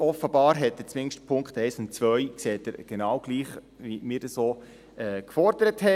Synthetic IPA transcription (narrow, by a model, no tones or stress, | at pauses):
ɔfəbɑːɾɦɛt̚dət͡sʋɪŋʃtpʰʊŋktɛɪsʊntt͡sʋœʏkseːtəɾɡ̥enɑwɡ̥liːχ | ʋimɪːɾdəsoː | ɛkfɔɾdəɾəthɛ